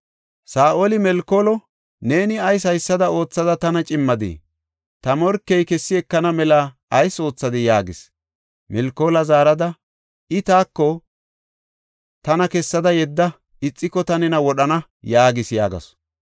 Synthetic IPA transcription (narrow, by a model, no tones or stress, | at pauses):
saːʔolɪmɛlkolɔ | ne̞ːnɪɐjs̬ɐjsːɐd̪ɐo̞ːt͡sːɐd̪ɐt̪ɐnɐt͡ʃʼɪmːɐd̪ḭː | t̪ɐmɔɾkːɛjkɛsːɪɛkːɐnɐmɛlɐ | ɐjso̞ːt͡sːɐd̪ɪjaːɡɪs | mɛlkːoːlɐzaːɾɐd̪ɐ | ɪt̪aːkːɔ | t̪ɐnɐkɛsːɐd̪ɐjɛd̪ːɐ | ɪt͡sʼːɪkːɔt̪ɐnɛnɐwɔɗɐnɐ | jaːɡɪsja̰ːɡɐ̰s